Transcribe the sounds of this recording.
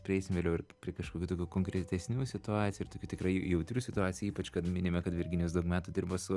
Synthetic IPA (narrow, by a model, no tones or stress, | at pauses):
pʲɾʲɪɛɪsʲɪmʋʲeːlʲɛʊɪɾpʲɾʲiɛkɐʃkoːkʲuːt̪oːkʲuːkoːŋkɾʲɛt̪ʲɛsʲnʲuːsʲɪt̪ʊɑːt̪sʲjʊɪɾt̪oːkʲuːt̪ʲɪkɾɐɪjɛʊt̪ʲɾʲuːsʲɪt̪ʊɑːt͡sʲjuːipɐt͡ʃkɐt̪mʲɪnʲeːmʲɛkɐt̪ʋʲɪɾʲɡʲɪnʲjɛsd̪ɐʊkmʲæːt̪ud̪ʲɪrbosʊ